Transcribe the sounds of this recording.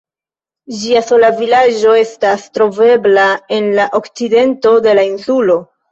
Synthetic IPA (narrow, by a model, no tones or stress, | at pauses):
d͡ʒiaso̞lavilad͡ʒo̞e̞stastɾo̞ve̞blae̞nlaʔo̞kt͡side̞nto̞de̞lainsulo̞